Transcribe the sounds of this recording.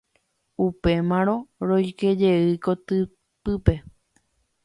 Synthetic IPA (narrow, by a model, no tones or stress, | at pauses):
upe̞mãɾ̃õ̞ɾojke̞d͡ʒe̞ɨkot̪ɨ | pɨpe̞